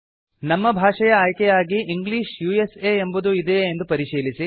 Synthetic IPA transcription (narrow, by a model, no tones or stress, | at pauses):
nɐmːɐbʱaːʂɛjɐaːjkɛjaːɡiʔiŋɡliːʃjuːeseembud̪uid̪eːnd̪upɐɾiʃiːlisi